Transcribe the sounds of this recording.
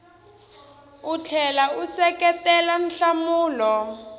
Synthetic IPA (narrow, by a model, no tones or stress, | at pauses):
ut͡ɬʰɛlausɛkɛtɛlan̩ɬamuːlɔ